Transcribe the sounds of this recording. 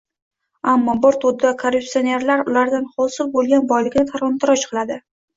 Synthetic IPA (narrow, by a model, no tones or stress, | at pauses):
amːɒbɪɾt̪ʰʊd̪akʰoɾupsione̞ɾlaɾʊlaɾd̪anχɒsɪlbolˠɡʲanbɒjlɪɡʲnɪt̪ʰaɾɒnt̪ʰɪɾɒt͡ʃqʰɨlˠad̪ɪ